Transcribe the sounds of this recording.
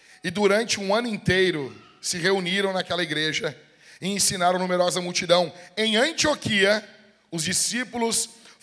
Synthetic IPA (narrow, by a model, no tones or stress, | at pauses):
ɪd̪uɾɐ̃nt͡ʃɪũɐ̃nʊĩnt̪ejɾʊ | sɪɦeuniɾɐ̃w̃nakɛlɐiɡɾeʒɐ | ɪẽsinaɾɐ̃w̃numeɾɔzɐmuwt͡ʃid̪ɐ̃w̃ẽj̃ɐ̃nt͡ʃiokʰiɐ | ʊzd͡ʒisipulʊs